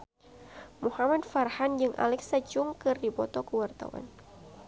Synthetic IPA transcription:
muhamad̚farhand͡ʒɨŋʔa̰lɛksat͡ʃuŋkɨrdipɔt̪ɔkəwart̪a̰wa̰n

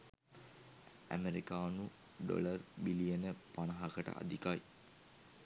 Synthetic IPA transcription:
æ̰meɾikaːnu | ɖo̰lərbilijənəpanɐɦɐkəʈə̰ʔa̰d̪ikaj

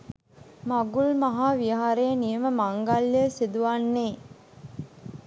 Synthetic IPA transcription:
maɡulmaɦaːʋijaɦaɾejənijəməmaŋɡaljəsid̪uʋanːeː

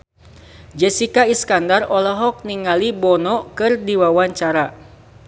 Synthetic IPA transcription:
d͡ʒɛsikaiskandarɔlɔɦɔk̚niŋalibɔnɔkɨrdiwawaɲt͡ʃaɾa

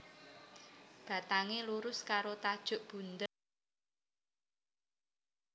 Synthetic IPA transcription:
b̥a̤t̪aŋeluɾʊskaɾot̪ad̥ʒ̥ʊ̤ʔb̥ṳnd̪ə

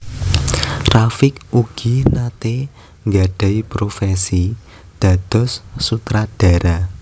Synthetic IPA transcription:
rafɪkuɡ̥inat̪e | ŋɡaɖ̥a̤jpɾofesi | d̪̥ä̤d̪̥ɔ̤sːut̪ɾad̥a̤ɾa

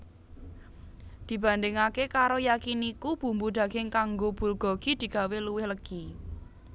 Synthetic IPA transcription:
d̪̥i̤b̥ä̤nd̪ɪŋakekaɾojakinikub̥ṳmbud̪̥ä̤ɡ̥ɪŋkaŋɡob̥ṳlɡ̥ɔ̤ɡ̥id̪̥i̤ɡ̥a̤weluwɪhləɡ̥i

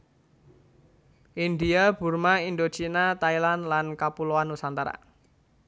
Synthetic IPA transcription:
ʔind̪iab̥ṳrmaind̪o̥t͡ʃinat̪ailanlankapuloanusant̪aɾa̰

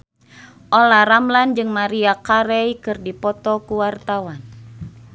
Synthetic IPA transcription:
ʔɔlaɾamland͡ʒɨŋmaɾiakaɾɛjkɨrdipɔt̪ɔkuwart̪awan

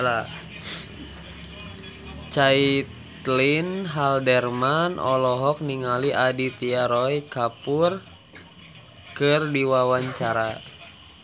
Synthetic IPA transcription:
la | t͡ʃait̪linɦaldɛrmanɔ̰lɔɦɔk̚niŋaliʔadit̪iaɾɔikapur | kɨrdiwawaɲt͡ʃaɾa

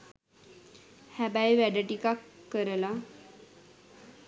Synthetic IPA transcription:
hæbajʋæɖəʈikakːəɾəla

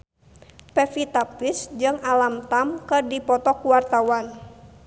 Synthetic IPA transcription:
pɛfit̪apɪsd͡ʒɨŋalamt̪amkɨrdipɔt̪ɔkuwart̪awan

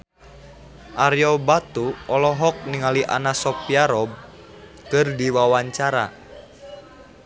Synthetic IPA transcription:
ʔaɾjɔbat̪uɔlɔɦɔk̚niŋaliʔa̰nasɔpjaɾɔb̚ | kɨrdiwawaɲt͡ʃaɾa̰

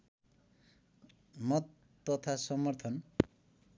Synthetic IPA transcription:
mʌt̪ː | ʌt̪ʰasʌmʌrt̪ʰʌn

